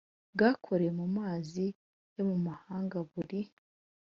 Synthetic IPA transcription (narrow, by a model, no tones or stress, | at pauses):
bɡakʰo̞ɾejemumaːzi | jo̞mumahaːŋɡaβuɾi